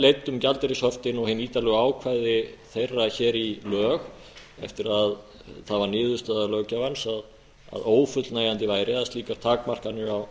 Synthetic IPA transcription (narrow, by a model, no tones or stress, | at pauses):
lejt̪ːʏmcalt̪ɛɾɪsɔft̪ɪnɔɣhɪnːiːt̪alɛɣaːwkʰvajðɪθejrːaçɛːɾilœːɣ | ɛ̰ft̪ɪɾað | θaðvaɾnɪːðʏst̪aðalœːcavansað | a̰ðoːwfʏt̪lnaːjant̪ɪvaːjɾɪaast̪liːkaɾ̥t̪ʰaːkmar̥kanːʏaw